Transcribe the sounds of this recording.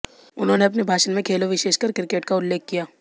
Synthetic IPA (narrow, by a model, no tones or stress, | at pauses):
ʊnɦõːneɐp̬nebʱaːʃənmẽkʰeːloʋɪʃeːʃkɐɾkɪɾɪkeːʈkaʊlːeːkːijaː